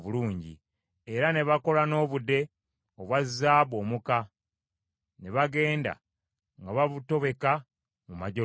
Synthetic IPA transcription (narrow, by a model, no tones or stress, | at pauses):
βuluːɲɟḭ | eɾane̞βako̞lano̞ːβude̞ | oβwazːaːβo̞ːmuka | ne̞βaɡe̞ːnda̰ | ŋɡaβaβuto̞βe̞ka | mumaɟo